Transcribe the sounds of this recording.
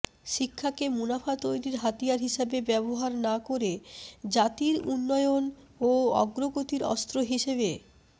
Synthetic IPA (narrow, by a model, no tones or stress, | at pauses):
ʃikʰːakemunafat̪ojɾiɾɦat̪ijaɾɦiʃabebɛboɦaɾnakoɾed͡ʑat̪iɾṵnːɔeon | oɔ̰ɡɾoɡot̪iɾɔ̰st̪ɾoɦiʃeβe